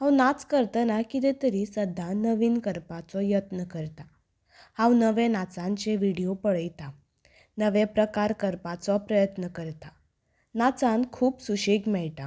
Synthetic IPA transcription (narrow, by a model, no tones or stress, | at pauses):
hãwnat͡skəɾt̪anakit̪et̪əɾisəd̪ʱːanəʋiːnkəɾpat͡sɔjət̪nəkəɾt̪a | hãwnəʋẽnat͡sãɲt͡ɕeʋiɽijopəɭəjt̪a | nəʋepɾəkaɾkəɾpat͡sɔpɾəjət̪nəkəɾt̪a | nat͡sãnkʰuːpsuɕekmɛɭʈ̪a